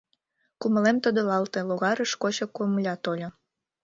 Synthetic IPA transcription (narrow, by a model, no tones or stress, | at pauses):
kumə̆lemt̪əd̪olɑlt̪eloɣɑɾə̆ʃkot͡ɕokomlʲɑt̪olʲo